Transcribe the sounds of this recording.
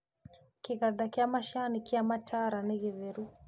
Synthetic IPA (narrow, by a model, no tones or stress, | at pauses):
kiɣaɗakiamaʃanikiamatʰaɾaniɣiðɛɾu